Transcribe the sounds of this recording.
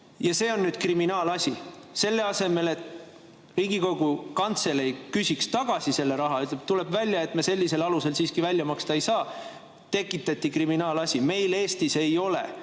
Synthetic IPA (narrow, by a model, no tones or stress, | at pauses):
jɑse̞ːo̞nːyːd̪̥kriminɑːlɑsʲise̞lːe̞ɑse̞me̞le̞t̪ | riːɡiko̞ɡ̥ukɑnt̪se̞lejkysʲikst̪ɑɡ̥ɑsise̞lːe̞ɾɑɦɑyt̪leb̚t̪ule̞b̥vælʲjɑe̞t̪mese̞lʲːise̞lɑluse̞lsiːskivælʲːjɑmɑkst̪ɑejsɑː | t̪e̞kːˑit̪ːˑɑt̪ʲːˑikriminɑːlɑsʲime̞jle̞ːst̪ise̞jo̞lḛ